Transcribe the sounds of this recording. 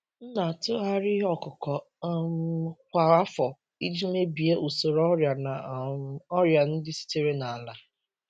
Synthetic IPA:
n̩˦na˨tʊ˦ɦa˦ɾɪ˦ɦɔ˦kʊ˨kɔ˨˦ | m˦kʷa˨a˦fɔ˨ | i˦d͡ʒi˦me˦bi˨e˦ʔu˨so˨ɾɔ˦ɾja˨na˨˦ | ɔ˦ɾja˨n̩˦dɪ˦si̥˦te˦ɾe˦na˨a˨la˨

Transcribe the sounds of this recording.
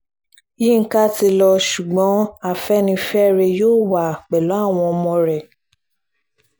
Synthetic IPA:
ji˦˨ŋ̩˦ka˦ti˧lɔ˧ʃu˨ɡ͡bɔ̃˨˦a˦˨fɛ˦nĩ˧fɛ˦ɾe˧joː˦˨wa˨k͡pɛ˨lo˨˦a˦˨w̃ɔ̃˧ɔ˧mɔ̃˧ɾɛ˨

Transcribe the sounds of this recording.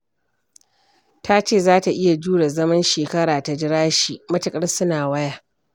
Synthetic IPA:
tʰa˦t͡ʃeː˦˨zaː˦ta˨ʔɪ˦ja˨d͡ʒuː˦ɽa˨zɐ˦mɐ˦nʃeː˨kɐ˦ɽaː˨ta˨d͡ʒɪ˦ɽaː˦ʃiː˨mɐ˦tɪ˨kʼɐ˦rsʊ˦naː˨wɐ˦ja˦ʔ

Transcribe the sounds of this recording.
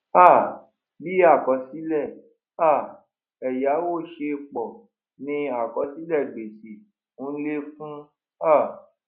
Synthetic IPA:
a˦˨ | bi˦a˦˨kɔ˨˦si˨˦lɛ˦˨ | a˦˨ | ɛ˨ja˨˦wo˦˨ʃe˧k͡pɔ˨ | nĩ˧a˨kɔ˨˦si˦lɛ˦˨ɡ͡be˨si˨ | ũ˨˦le˦fũ˦ | a˦˨

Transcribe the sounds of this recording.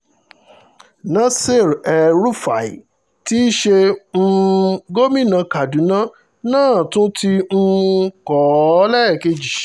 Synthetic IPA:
nã˦se˦˨ɾɛ˨ɾu˦fa˨i˨ | ti˦ʃe˧n̩˧ɡo˦mĩ˦˨nã˧ka˨dũ˨˦nã˦ | nãː˦˨tũ˦tĩ˧˦kɔ˨˦lɛ˦˨ke˧d͡ʒi˨

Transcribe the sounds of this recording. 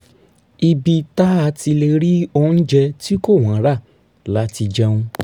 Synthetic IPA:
i˧bi˧ta˦a˧ti˧le˧ɾi˦o˧˦n̩˦d͡ʒɛ˧ti˦ko˦˨w̃ã˨˦ɾa˦˨ | la˨˦ti˧d͡ʒɛ̃˦ũ˧

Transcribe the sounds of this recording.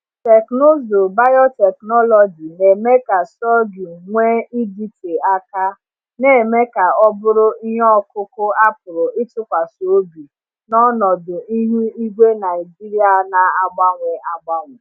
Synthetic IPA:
te˨kno˦zʊ˨ba˦jɔ˦tɛ˨knɔ˦lɔ˨d͡ʒi˨ne˨me˦ka˨sɔ˦ɡu˨ŋʷe˦i˦di˦te˨a˦ka˦ | ne˨me˦ka˨ɔ˦bʊ˦ɾʊ˦i˦ɦɔ˦kʊ˦kʊ˦a˦pʊ˨ɾʊ˨ɪ˦tʊ˦kʷa˨so˨˦bi˨ | nɔ˦nɔ˨dʊ˨i˦ɦi˦i˦ɡʷe˦na˨ɪ˨d͡ʒi˦ɾi˦a˨˦na˨a˦ɡ͡ba˦ŋʷe˨a˦ɡ͡ba˦ŋʷe˨

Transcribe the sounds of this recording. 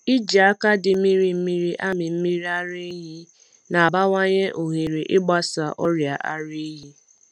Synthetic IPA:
i˦d͡ʒa˨a˦ka˦dɪ˨˦mi˦ɾi˨m̩˦mi˦ɾi˦ʔa˦mɪ˨m̩˦mi˦ɾi˦a˦ɾe˦ɦi˦ | na˨ba˦ŋʷa˦ɲe˦ʔo˨ɦi˨ɾi˨ʔɪ˦ɡ͡ba˦sa˨ʔɔ˦ɾja˨ʔa̰˦ɾi˦ɦi˦

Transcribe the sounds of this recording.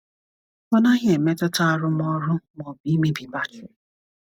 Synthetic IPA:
ɔ˦na˦ɦɪ˦e˨me˦tʊ˦ta˦˨ɾʊ˦mɔ˦ɾʊ˦mɔ˨bi˨˦mi˦bi˨ba˦t͡ʃʊ˨

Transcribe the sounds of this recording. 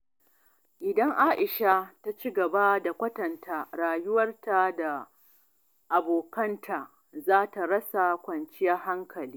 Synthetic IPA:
ʔɪ˨dɐ˦ŋʔaː˦ʔɪ˨ʃa˦ta˦t͡ʃi˦ɡɐ˨ba˦da˨kʷɐ˦tɐ˨ntʰaː˦˨ɽaː˨jʊ˦wɐ˦rta˨da˨ | ʔa˨boː˨kɐ˦ntʰa˨ | zaː˦ta˨ɾɐ˦sa˨kʷɐ˨nt͡ʃɪ˦ja˦ha˦ŋkʰɐ˨liː˦

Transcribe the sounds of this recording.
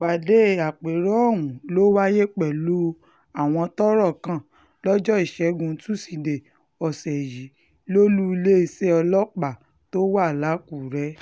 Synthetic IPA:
ɡ͡ba˨de˦a˨k͡pe˨ɾɔ˦˨wũ˨lo˦wa˦je˦k͡pɛ˨lu˦ | a˨w̃ɔ̃˧tɔ˦ɾɔ˦˨kã˦˨ | lɔ˦d͡ʒɔ˦i˨ʃɛ˨˦ɡũ˧˦tu˦si˧de˨ | ɔ˨sɛ˨ji˨˦ | lo˦lu˦i˧le˦i˧sɛ˦ɔ˧lɔ˦k͡pa˨ | to˦wa˦˨la˨˦ku˦˨ɾɛ˦

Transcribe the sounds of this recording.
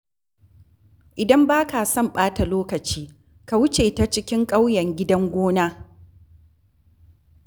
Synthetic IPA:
ʔɪ˨dɐ˦mbaː˦ka˨sɔ˦mɓaː˦ta˨loː˦kɐ˨t͡ʃiː˦ | ka˨wʊ˦t͡ʃeː˨ta˦t͡ʃɪ˦kʲɪ˦ŋkʼa˦wjɐ˨ŋɡʲɪ˦dɐ˦ŋɡʷoː˦naː˦

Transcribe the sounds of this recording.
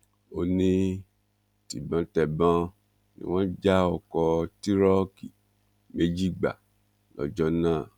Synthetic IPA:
o˧nĩ˦ | ti˨bã˧tɛ˨bã˧˦ | nḭ̃˦w̃ɔ̃˦d͡ʒa˦ɔ˧˨kɔ˧ti˦ɾɔ˦ki˨ | mẽ˦d͡ʒi˦˨ɡ͡ba̰˨ | lɔ̰˨d͡ʒɔ˦nãː˦˨

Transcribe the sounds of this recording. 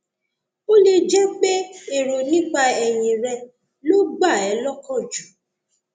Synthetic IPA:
o˦le˧d͡ʒɛ˦k͡pe˦e˨ɾo˨nĩ˦k͡pa˧ɛ˨j̃ĩ˨ɾɛ˧ | lo˦ɡ͡ba˦˨ɛ˨˦lɔ˦kɔ̃˦˨d͡ʒu˨˦

